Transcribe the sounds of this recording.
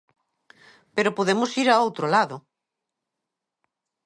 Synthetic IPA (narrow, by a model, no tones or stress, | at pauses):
peɾopoðemʊsiɾaowt̪ɾolaðʊ